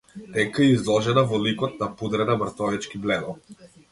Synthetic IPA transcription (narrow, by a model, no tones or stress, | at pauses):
t̪ɛŋkaɛizlˠɔʒɛnavɔlikɔt̪̚napud̪ɾɛnamɾt̪ɔvɛt͡ʃkiblɛd̪ɔ